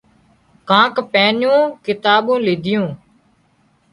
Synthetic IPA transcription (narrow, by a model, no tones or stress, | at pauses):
kãːkpɛːnjõːkɪt̪aːɓõːliːd̪ʱɪjõː